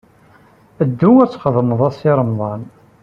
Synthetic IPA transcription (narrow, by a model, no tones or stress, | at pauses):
əd̪ːʊwæt͡sːχəðˤməðˤɑsiɾˤəmðˤɑn